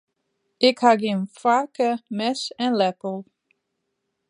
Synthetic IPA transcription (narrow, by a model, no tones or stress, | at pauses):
ɪkhaɡɪnfakəmɛsɛ̃nlɛpl̩ˠ